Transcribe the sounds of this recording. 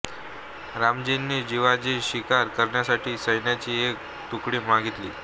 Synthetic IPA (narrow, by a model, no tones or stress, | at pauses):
ɾamd͡ʑinːiːd͡ʑiʋad͡ʑiːɕikaɾkəɾɳjasaʈʰiːsəjnjat͡ɕiːek̚ | t̪ukɽiːmaɡʱit̪lḭː